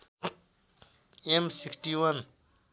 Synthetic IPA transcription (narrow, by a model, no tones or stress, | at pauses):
emsikʈiwɐn